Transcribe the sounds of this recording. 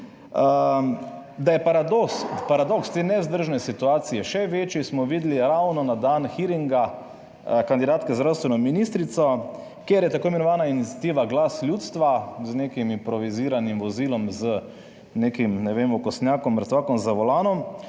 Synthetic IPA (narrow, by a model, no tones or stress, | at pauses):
ə | d̪ajɛpaɾad̪ɔspaɾad̪ɔkst̪eːnɛzd̪əɾʒnɛsit̪uaːt̪sijɛʃɛʋeːt͡ʃjismɔʋiːd̪liɾawnɔnad̪aːnxiɾiŋɡa | kand̪id̪aːt̪kɛzd̪ɾawst̪ʋɛnɔminist̪ɾit̪sɔ | kjeɾjɛt̪akoːimɛnɔʋaːnainit̪sʲjat̪iːʋaɡlasljuːt̪st̪ʋaznekimimpɾɔʋiziːɾanimʋɔzilɔmzə | nekimnɛʋemɔkɔst̪njaːkɔmːɾt̪ʋaːkɔmzɐʋɔlaːnɔm